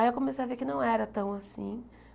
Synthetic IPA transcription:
aiewkõmesejɐvekɪnɐ̃w̃ɛɾɐt̪ɐ̃w̃asḭ̃

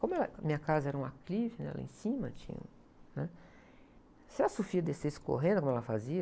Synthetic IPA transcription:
kõmʊɛlɐmĩɲɐkazɐɛɾɐũaklivɪnɛ̰ɛ̰lɐ̰ḛ̃sĩmɐ̰t͡ʃĩɲɐ̰̃ | nɛ | seɾasofiɐd̪esesɪ̥ko̰ɦẽnd̪kõmɛlɐfaziɐ

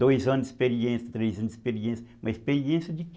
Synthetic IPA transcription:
ojzɐ̃nispeɾiẽsɐt̪ɾejzɐ̃nispeɾiẽsmɐispeɾiẽsjɐd͡ʒɪk

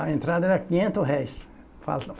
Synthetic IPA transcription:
ɐẽnt̪ɾad̪ɐɛɾɐkĩɲẽnt̪ʊsɦɛjs | fa̰lt̪ɐf

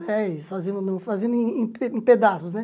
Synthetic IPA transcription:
ɛisfazẽnd̪ʊnõfazẽnd̪ʊẽẽpeẽped̪asʊsnɛ

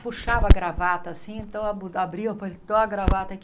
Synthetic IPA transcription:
puʃavɐɡɾavat̪ɐsĩẽnt̪ɐ̃w̃aabɾiɐpɐlt̪oɐɡɾavat̪ɐk

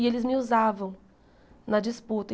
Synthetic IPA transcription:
ɪelɪzmɪuzavɐ̃w̃ | nɐd͡ʒɪsput̪ɐ

